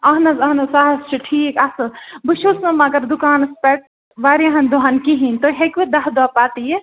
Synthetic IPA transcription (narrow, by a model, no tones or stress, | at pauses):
ɐɦnɐzɐɦnɐsaːɦɐzt͡ʃʰiʈʰiːkɐsɨbuʃusɐ̃mɐɡɐɾd̪ukaːnɐspeʈ̚ | ʋaːɾiɐɦɐnd̪uɦaːnkiɦint̪oɦekʋed̪ɐɦd̪aːpaːt̪ije